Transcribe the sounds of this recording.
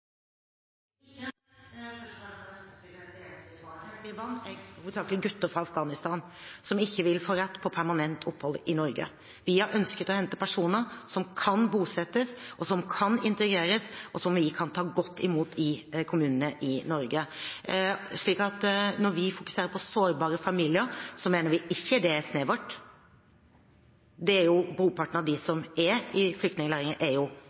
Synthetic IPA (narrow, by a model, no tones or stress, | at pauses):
ʋɪʋɑnːhuːd̪sɑːkəlɪɡʉt̪ːəɾfɾɑɑfɡɑːnɪst̪ɑːnsɔmɪçːəʋɪlfoːɾɛt̪ːpʰɔpʰæɾmɑnɛnt̪ʰʊpːhɔlːɪnɔɾɡə̰ | ʋɪhɑɾʔœnskət̪ɔhɛnt̪əpʰæʂuːnəɾsɔmkʰɑnbuːsɛt̪ːəsʔɔsɔmkʰɑnɪnt̪əɡɾeːɾəsɔsɔmʋɪkʰɑnt̪ʰɑːɡɔt̪ʰːɪmuːt̪ʰɪkʰʊmʉːnənəʔɪnɔɾɡə | ʂɭiːkɑt̪nɔɾʋɪfʊkʉ̥seːɾəɾpʰɔsoːɾbɑːɾəfɑmiːlɪəɾsɔmeːnəɾʋɪɪçːəd̪ɛæsneːʋɔʈː | d̪ɛæɾjʊbɾuːpʰɑʈːəɳ̩ɑʋd̪ɪsɔmɛɾɪflʏk̚t̪nɪŋəlæːɾɪŋəʔæɾjʊ